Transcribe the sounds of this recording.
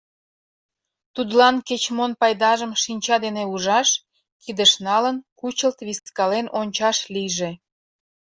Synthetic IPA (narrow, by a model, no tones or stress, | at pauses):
t̪ud̪lɑnket͡ɕmonpɑjd̪ɑʒəmʃinʲt͡ɕɑd̪eneuʒɑʃ | kid̪əʃnɑlənkut͡ɕəlt̪βiskɑlenonʲt͡ɕɑʃlijʒe